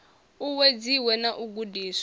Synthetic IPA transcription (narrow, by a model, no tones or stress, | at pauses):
uwed͡ziwɛnaʔuɡudiːs